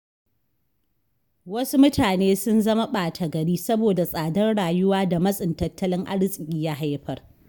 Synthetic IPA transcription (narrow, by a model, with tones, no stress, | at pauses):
wɐ˦su˦mʊ˦tʰaː˨neː˦sʊ˦nzɐ˦ma˦ɓaː˨tʰɐ˨ɡɐ˨ɽiː˦sɐ˦boː˨da˨sʼaː˨dɐ˦rɽaː˨jʊ˦waː˦da˨mɐ˦sʼɪ˨ntɐ˦tːɐ˦lɪ˦ŋʔa̰˦ɽɪ˦sʼɪ˨kʲʼiː˦ja˦ɦa˦jɸɐ˦r